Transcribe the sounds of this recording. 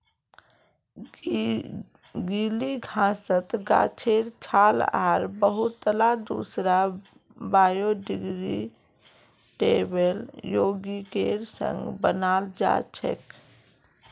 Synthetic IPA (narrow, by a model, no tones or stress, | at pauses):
ɡiliɡʱãsət̪ɡa̰ːt͡ʃʰeɾt͡ʃʰaːlaɾbəɦut̪ːəlad̪ṵsɾa | baːjoɖiɡɾḭ | ʈebeljoːɡikeɾsə̰̃ŋɡbənaːld͡ʒa̰t͡ʃʰə̰k